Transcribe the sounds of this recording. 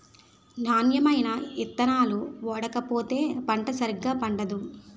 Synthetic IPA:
naːnjɐmɐjnɐit̪ːɐnaːluʋɔːɽɐkɐpoːt̪e̞ːpɐɳʈɐsɐɾiɡːaːpɐɳɖɐd̪u

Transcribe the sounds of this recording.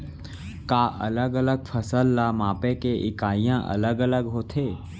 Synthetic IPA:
kaːʔɐ̰ləɡələɡpʰəsəlːamaːpẽkeʔɪ̰kaːijã̰ʔɐ̰ləɡələɡɦoːt̪ʰeː

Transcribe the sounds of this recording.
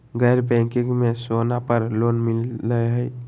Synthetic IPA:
ɡəjɾbɛ̃kɪ̃ŋɡmẽsoːnapəɾloːnmɪlːəeɦɛi

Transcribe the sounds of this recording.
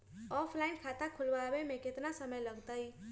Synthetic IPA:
ɔpʰlainkʰat̪akʰulʋabemẽkɪt̪nasəməjləɡt̪əj

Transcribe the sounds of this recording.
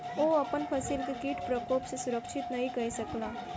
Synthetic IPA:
oɐpənpʰəsilkekiːʈpɾəkoːpsesʊɾəkʃʰɪt̪nɐɦĩkɐisɐklaː

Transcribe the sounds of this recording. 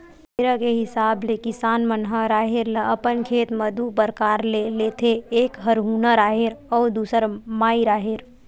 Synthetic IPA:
meɾəkeɦɪsaːblekɪsaːnmənɦəɾaːɦeɾləəpənkʰeːt̪məd̪ʱupəɾkaːɾleleːt̪ʰeeːkɦəɾɦuːnəɾaːɦeɾɔːɾd̪uːsəɾmaːiɾaːɦeɾ

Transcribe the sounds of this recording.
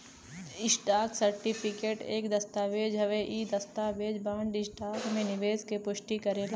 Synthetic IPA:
ɪsʈaːksɐɾʈipʰɪkeːʈeːkd̪ɐst̪aːʋeːd͡ʒɦɐʋeʔid̪ɐst̪aːʋeːd͡ʒbãːɳɖɪsʈaːkmẽnɪʋeːzkepʊʃʈikɐɾeːla

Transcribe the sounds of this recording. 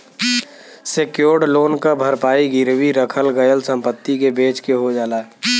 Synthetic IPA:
sekjoːɽloːnkabʱəɾpaːiɡɪɾwiɾəkʰəlɡəjəlsə̃mpət̪ːikebeːt͡ʃkeɦod͡ʒaːlaːɛ

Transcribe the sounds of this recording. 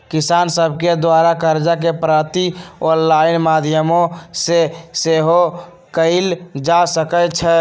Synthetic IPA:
kisansəbʱked̪waɾakəɾd͡ʒakepɾaɾt̪iɔɾlaɪnmad̪ʱjəmõseseɦo | kəɪld͡ʒasəkət͡ʃʰɛ

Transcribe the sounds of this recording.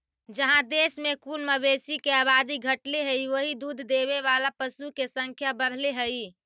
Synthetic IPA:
d͡ʒəɦãd̪esmekulməbesikeaβad̪iɡʱəʈleɦəiʋoɦid̪ud̪ʱd̪eβeβalapəsukesə̃ŋkʰjabəɽ̤leɦəj

